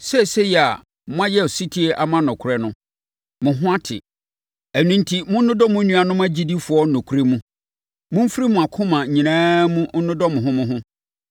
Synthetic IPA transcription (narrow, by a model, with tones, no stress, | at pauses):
sɛ˦˨sɛ˦ji˨a˨ | mʊ̃˦ã˦jɛ˦˨si˦tʰi˦e˦ʔa˨mã˦nʊ̃˨kʰʊ˨ɾɛ˦nʊ̃˦ | mʊ̃˨ɦʊ̃˦a˦tʰɪ̰˨ | æ˨nũ˨n̩˦tʰi˦mʊ̃˦n̩˦nʊ̃˦dɔ˦mʊ̃˦nũ˦a˨nʊ̃˦m˦ã˦d͡ʑi˦di˦fʊ˨ɔ˦nʊ̃˨kʰu˦ɾe˦mũ˦ | mʊ̃˦m̩˦fɾi˦mʊ̃˨a˨kʰʊ̃˦mã˨ɲĩ˨nãː˦mũ˦n̩˦nʊ̃˦dɔ˦mʊ̃˨ɦʊ̃˦mʊ̃˦ɦʊ̃˦